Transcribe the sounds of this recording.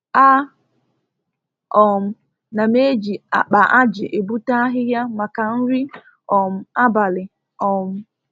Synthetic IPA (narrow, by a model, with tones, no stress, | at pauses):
a˦ | ɔ˨m̩˨ | na˨me˦d͡ʒi˨a̰˨k͡pa˨ʔa˦d͡ʒɪ˨ʔe˨bu˦ta˦ɦɪ˦ja˦ma˨ka˨n̩˦ɾi˦ | ɔ˨m̩˨a˦ba˨lɪ˨ | ɔ˨m̩˨˦